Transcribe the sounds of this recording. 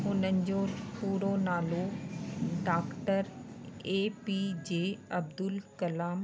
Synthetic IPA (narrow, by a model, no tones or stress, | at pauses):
ʊnənd͡ʑopuːɾonaːlo | ɖaːkʈəɾ | eːpiːd͡ʑeːɐb̚d̪ʊlkɐlaːm